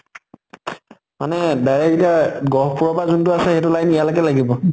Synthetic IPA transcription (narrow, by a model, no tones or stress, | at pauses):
manɛdajɹɛkitaɡɔɹpuɹɔbazuntʊasɛxetʊlajmijalɔkɛlaɡibɔ